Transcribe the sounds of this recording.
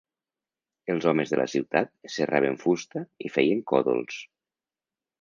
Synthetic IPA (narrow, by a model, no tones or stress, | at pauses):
əlˠzɔməzðə̰lʔa̰siwt̪at̪̚serʔa̰β̞eɱfust̪əifɛjəŋkɔ̰ðo̰lˠs